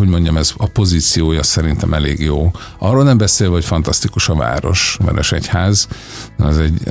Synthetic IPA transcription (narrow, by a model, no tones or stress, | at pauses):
ɦoɟmo̞ɲɟɒmɛzɒpo̞ziːt̪sijoːjɒsɛɾint̪ɛmɛleːɡjoː | ʔɒrːoːlnɛmbɛseːlvɛocfɒnt̪ɒst̪ikuʃɒva̰ːɾo̞̰ʃʋɛ̰ɾɛʃɛchaːz | n̰ɛzɛɟ